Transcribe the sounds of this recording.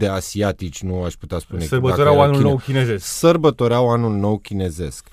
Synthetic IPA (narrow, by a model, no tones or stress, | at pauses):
d̪e̞asiat̪it͡ʃʲnuaʃput̪easpunesəbət̪oɾawanulnowkʲinezessərbət̪o̞ɾeawanulno̞wkʲine̞ze̞sk